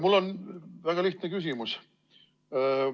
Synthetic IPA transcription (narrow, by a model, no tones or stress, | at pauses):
mulːo̞nvæɡ̥ɑliht̪nekys̬ʲimus